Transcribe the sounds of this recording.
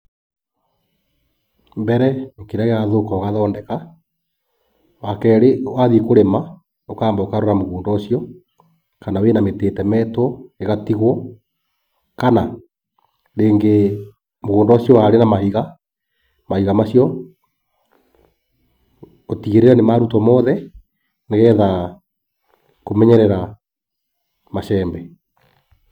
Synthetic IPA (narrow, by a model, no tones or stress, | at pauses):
mbɛɾɛŋkiɾaɣeaðokɔɣaðaɔndɛka | wakɛɾewaðiekoɾema | okaːmbaokaɾoeɾamoɣoːndɔsiɔ | kanawenameteːtɛmɛtɔeɣatiɣwɔ | kana | ɾeːŋɡe | moɣoːndɔɕjɔwaɾenamahiɣa | mahiɣamaɕjɔ | otiɣeɾeɾɛnemaɾutɔmɔðɛ | neɣɛːða | komɛɲɛɾɛɾa | maʃɛːmbɛ